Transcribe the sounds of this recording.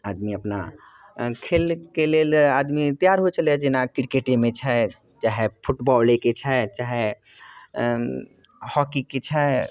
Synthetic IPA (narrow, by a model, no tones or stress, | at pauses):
ad̪miəpna̰ | kʰelkelelad̪mit̪ijaɾɦot͡ʃəlɛd͡ʒenakɾikeʈemet͡ʃʰɛ | t͡ʃaɦepʰuʈbɔleket͡ʃʰɛt͡ʃaɦe | hɔkiket͡ʃʰɛ